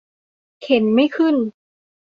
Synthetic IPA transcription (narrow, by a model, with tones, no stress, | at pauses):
kʰe˩˦nma˥˩jkʰɯ˥˩n